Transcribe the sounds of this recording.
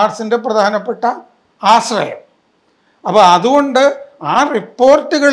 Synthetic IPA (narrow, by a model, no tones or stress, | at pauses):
rsinde̞prɐd̪ʱaːnɐpːe̞ʈːɐ | aːsrɐjɐ̰m | ɐpːoːɐðuɣo̞ɳɖɨaːripːo̞ːrtːuɣɐɭ